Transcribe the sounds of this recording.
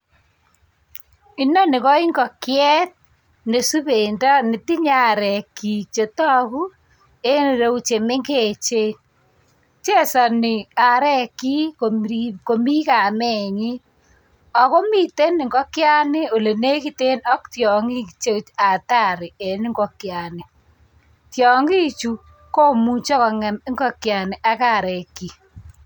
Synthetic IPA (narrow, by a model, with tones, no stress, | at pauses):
i˦nɔ˦nɪ˨kɔ˦i˦ŋɡɔ˨kjɛ˦t̚ | ne˨su˦βe˨ndɔ˦nɪ˨ti˦ɲa˦ɾɛ˨ki˨t͡ʃe˨tɔ˦ku˦ | e˦n˨ɾe˦u˦t͡ʃe˨me˦ŋɡe˨t͡ʃe˦ | t͡ʃe˦sa˨nɪ˨a˨ɾɛ˦ki˦koiko˨mi˦ka˨mɛ˨ɲi˦ | ɔ˨ko˦mi˦te˦nɪ˨ŋɡɔ˦kja˦nɪ˦o˨le˨ne˦ki˦te˦nɔ˦ktjɔ˨ŋi˦t͡ʃe˦a˨ta˦˨ɾɪ˨e˨nɪ˦ŋɡɔ˦kja˨nɪ˨ | tjɔ˨ŋɡi˦t͡ʃu˨ | ko˦mu˦t͡ʃɔ˦kɔ˨ŋɛ˨m˦ŋɡɔ˦kja˨ne˨ʔa˦ka˦˨ɾɛ˨ki˨